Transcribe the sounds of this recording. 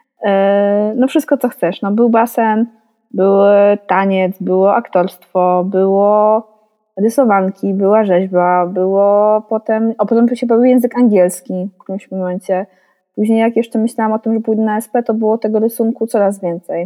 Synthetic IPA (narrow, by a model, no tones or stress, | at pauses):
nɔfʂɘst̪kɔt̪sɔxt̪sɛʂnɔbɘwbasɛn | bɘwt̪aɲɛt̪sbɘwɔʔakt̪ɔɾst̪fɔbɘwɔ | ɾɘsɔvaŋkʲibɘwaʐɛʑbabɘwɔpɔt̪ɛmɔpɔt̪ɛmpuɕɛpɔvʲujɛ̃w̃zɘkaŋɡʲɛlskʲifkʲimɕmɔmɛnt͡ɕɛ | puʑɲejakjɛʂt͡ʂɛmɘɕlawamɔt̪ɘmʐɛpujd̪naɛspɛt̪ɔbɘwɔt̪ɛɡɔɾɘsuŋkut̪sɔɾazvʲjɛnt̪sɛj